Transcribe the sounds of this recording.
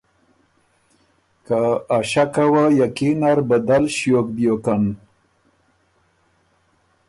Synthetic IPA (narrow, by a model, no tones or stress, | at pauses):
kaːʃakawajakinaɾbad̪alʃjokbjokan